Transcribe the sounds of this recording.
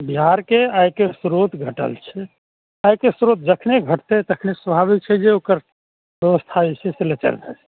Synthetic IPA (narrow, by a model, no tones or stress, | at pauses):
biɦaɾkeajkesɾot̪ɡʱəʈə̰lt͡ʃʰɛ | ajkesɾot̪̚d͡ʒəkʰneɡʱəʈt̪et̪əkʰnesəbʱabit͡ʃʰɛd͡ʒeokəɾ | bjəʋəst̪ʰaiseselet͡ʃə̰ɾd͡ʒət͡ʃɛ̥